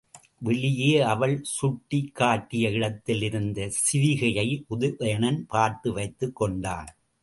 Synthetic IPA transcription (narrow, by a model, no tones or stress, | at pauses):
ʋɛɭɪjeːɐʋɐɭsʊʈːɪkʰːaːʈːɪjɐɪɽɐt̪ːɪlɪɾɯnd̪ɐsɪʋɪɣɐjɐɪʔʊðʊʔɐjɐnɐnpaːɾt̪ɯʋɐɪt̪ːɯkːɔɳɖa̰ːn